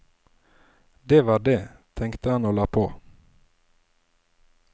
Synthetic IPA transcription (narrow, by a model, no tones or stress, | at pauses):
d̪eːʋɑːɖeːt̪ʰɛŋkt̪əhɑnoːlɑːpʰoː